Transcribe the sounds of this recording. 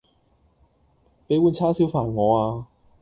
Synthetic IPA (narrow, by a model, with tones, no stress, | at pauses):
pe˨˥jwuː˨˧nt͡sʰaː˥siː˨˥wfaː˨˩nŋɔː˨˧aː˧